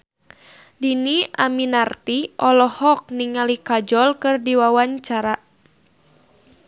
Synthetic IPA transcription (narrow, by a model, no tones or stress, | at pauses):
diniaminart̪iʔɔlɔhɔk̚niŋalikad͡ʒɔlkɨrdiwawaɲt͡ʃaɾa